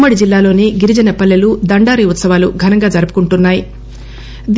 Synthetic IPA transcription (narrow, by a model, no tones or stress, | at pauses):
mːɐɽid͡ʒilːaːlo̞ːneːɡiɾid͡ʒɐnɐpɐlːɐlud̪ɐɳɖaːɾiut̪sɐʋaːluɡʱɐnɐŋɡaːd͡ʒɐɾupu̥kuɳʈunːaːji | d̪